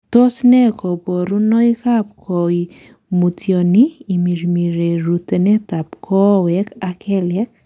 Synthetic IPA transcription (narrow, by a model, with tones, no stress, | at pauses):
t̪o˦snɛ˦kɔ˨bɔ˨ɾu˦nɔ˦jka˦p̚kʰɔi | mu˨tjɔniː˨mi˨ɾmi˨ɾe˨ɾu˨te˨nɛ˦ta˨pkʰɔ˦wɛkakʰɛ˦lɛ˦k̚